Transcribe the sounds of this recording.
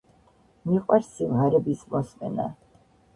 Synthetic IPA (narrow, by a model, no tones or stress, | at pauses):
miqʼwaɾsivʁaɾɛbismɔsmɛ̰na̰